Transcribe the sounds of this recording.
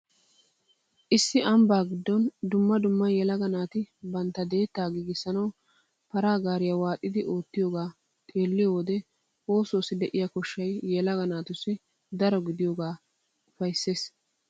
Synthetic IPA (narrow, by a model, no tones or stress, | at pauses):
ʔɪsːɪʔɐmbaːɡɪd̪ːɔnd̪ʊmːɐd̪ʊmːɐjjɛlɐɡɐnaːt̪ɪbɐnt̪ːɐd̪e̞ːt̪ːaːɡiːɡɪsːɐnɐw | pɐɾaːɡaːɾɪjawaːt̪ʼːɪd̪ɪʔo̞ːt̪ːɪjoːɡaː | t̪ʼeːlːɪjowɔd̪ɛ | woːso̞ːsɪd̪ɛʔɪjakɔʃːɐjːɛlɐɡɐnaːt̪ʊsːɪ | d̪ɐɾɔɡɪd̪ɪjoːɡaː | ʊfɐjsːe̞ːs